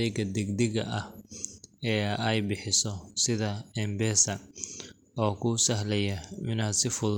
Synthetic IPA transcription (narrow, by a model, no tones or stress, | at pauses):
ɛjɡɐd̪ɛɡd̪ɪɣɐ̰ʔɐh | ɛːɐjbɪħɪsɔsɪðɐɛmbɛːsɐ | ɔːkʰʊːsɐɦlɛjɐmɪnad̪sɪfʊð